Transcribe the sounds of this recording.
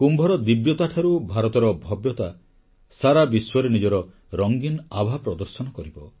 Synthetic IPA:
kumbʱɔɾɔd̪ibjɔt̪aʈʰaɾubʱaɾɔt̪ɔɾɔbʱɔbjɔt̪a | saɾabiswɔɾenid͡ʒɔɾɔ | ɾɔŋɡinabʱapɾɔd̪ɔɾsɔnɔkɔɾibɔ

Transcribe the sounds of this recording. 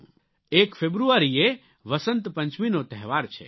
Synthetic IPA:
ekpʰebɾuaɾie | ʋəsənt̪pə̃ɲt͡ʃminot̪ɛɦʋaɾt͡ʃʰɛ̰

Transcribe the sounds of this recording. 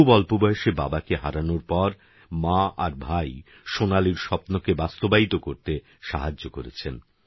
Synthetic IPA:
bɔlpobɔeʃeba̰bakeɦaɾanoɾpɔɾ | maaɾbʱaj | ʃonaliɾʃɔpnokebast̪obait̪okoɾt̪e | ʃaɦad͡ʑːokoɾḛt͡ɕʰen

